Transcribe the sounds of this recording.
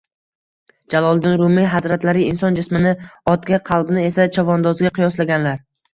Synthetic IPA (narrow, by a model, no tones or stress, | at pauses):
d͡ʒalˠɒlˠd̪ɪnɾʊmɪjɦazɾat̪laɾɪɪnsɒnd͡ʒɪsmɪnɪɒt̪ɡʲaqʰɑlˠbnɪe̞sat͡ʃʰɒvɒnd̪ɒzɡʲaqʰɨjɒslaɡʲanlaɾ